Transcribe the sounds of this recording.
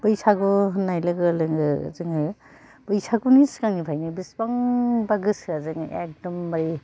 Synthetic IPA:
bɯjsaɡɔnajlɯɡɯlɯŋɯzɯŋɯ | bɯjsʰakuniskaŋipʰajnɯbisbaŋbaɡɯsazɯŋʔḛk̚dɔmbaɾi

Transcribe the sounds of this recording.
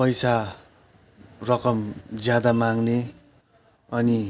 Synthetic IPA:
pʌjsa | rʌkʌmd͡zjad̪amaŋne | ʌni

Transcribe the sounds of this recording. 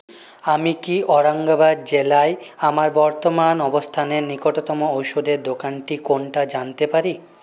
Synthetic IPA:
amikiʔɔɾaŋɡabaɾ̚d͡ʑelaeamaɾbɔɾt̪omanɔbost̪ʰaneɾnikoʈot̪ɔmoowʃod̪eɾd̪okanʈikonʈad͡ʑant̪epaɾi

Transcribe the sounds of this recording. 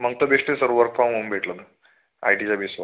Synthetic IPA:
m̤əɡ̚t̪obeʂʈesəɾʋəɾkfamɦombʱeʈləmə | a̰jʈid͡zabesʋa

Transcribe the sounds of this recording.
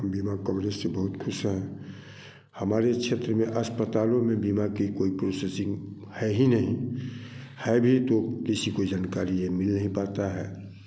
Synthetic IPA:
biːmakɔːɡɾeːsːebɐɦʊt̪kʰʊsɦɛ̃ː | hɐmaːɾekʃʰeːt̪ɾəmẽʔəspət̪aːlõmẽbiːmakikoːipɾoːsesɪ̃ŋɡ | hɛɦinəɦĩ | hɛbʱit̪okɪsikod͡ʒaːnkaːɾiemɪlnəɦĩpaːt̪aɦɛː

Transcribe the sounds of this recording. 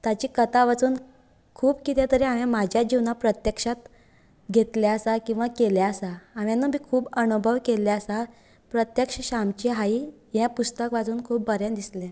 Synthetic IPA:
t̪at͡ɕiːkət̪aʋat͡suːn | kʰuːbkit̪jat̪əɾiaʋjãmad͡ʑʱjad͡ʑiʋnapɾət̪jəkʂat̪ | ɡʱet̪ljaəsakĩw̃ʋakeljaəsaːʋjanːuːbiːkʰuːbənubʱəʋkelɛəsa | pɾət̪jəkʂəɕamt͡ɕiɦai | ɦjãpust̪əkʋat͡suːnkʰuːpːəɾjãnd̪islɛ̃

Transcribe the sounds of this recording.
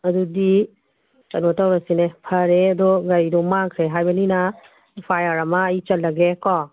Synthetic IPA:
ɐdudi | kɐnɔtawɾasinepʰɐɾeɐdɔɡaɾidɔmaŋkʰɾeɦajbɐninɐ | pʰajaɾɐmɐːit͡ʃɐlːɐɡekɔ

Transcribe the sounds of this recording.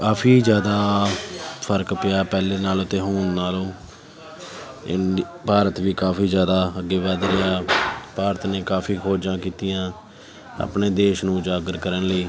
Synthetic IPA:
kaːpʰiːd͡ʒjaːd̪aː | pʰəɾkpɪjaːpɛːleːnaːlot̪eːɦoːnnaːlõː | ɪ̰n | paːɾət̪ʋiːkaːfiːd͡ʒjaːd̪aːəɡːeːʋaːd̪ɾɪjaːpaːɾət̪neːkaːfʰiːkʰoːd͡ʒãːkiːt̪ijãː | a̰ːpɳeːd̪eːʃnũːd͡ʒaːɡəɾkəɾənləiː

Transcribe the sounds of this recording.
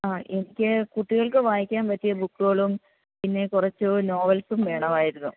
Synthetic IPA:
aːʔenikʲːɨkuʈːiɣɐɭkɨʋaːjikʲːaːnpɐtːijɐbukːuɣɐɭum | pinːe̞kurɐt͡ɕːuno̞ːʋɐlsumʋe̞ːɳɐmaːjiɾunːṵ

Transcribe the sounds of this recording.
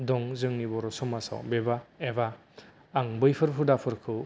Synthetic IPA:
dɔŋzɯŋnibɔɾɔsɔmasa̰wbebaebaː | ŋbɯjpʰɯɾpʰɯdapʰɯɾkʰɯw

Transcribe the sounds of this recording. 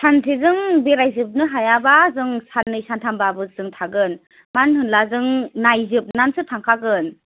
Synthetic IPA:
sʰantʰizɯŋbeɾajzɯp̬̚nɯɦajabazɯŋsanɯjsantʰambabɯzɯŋtʰaɡɯn | manhɯnlazɯŋnajzɯp̚nansɯtʰaŋkʰaɡɯn

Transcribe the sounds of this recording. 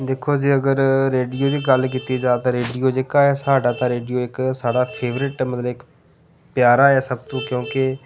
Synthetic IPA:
d̪eːkʰoːd͡ʒiːəɡəɾːeːɖijoːd̪iːɡəlkiːt̪iːd͡ʒaːt̪ãːɾeːɖijoːd͡ʒekaːɛːsaːɖaːt̪ãːɾeːɖijoːɪksaːɖaːpʰeːʋɾɪʈmət̪ləbɪk | pjaːɾaːɛːsəb̚t̪ũːkjõːkɪ

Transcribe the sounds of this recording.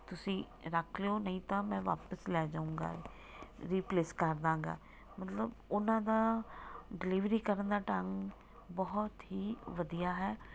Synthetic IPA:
t̪ʊsĩː | ɾəkʰleoːnəɦĩːt̪ãːmɛ̃ːʋa̰ːpəslɛːd͡ʒaːũːɡa̰ː | ɾiːpleːskəɾd̪ãːɡa̰ː | mət̪ləbʊnãːd̪aː | ɖɪliʋɾiːkəɾənd̪aːʈaŋ | bɔɦʊt̪ɦiːʋəd̪ijaːɦɛː

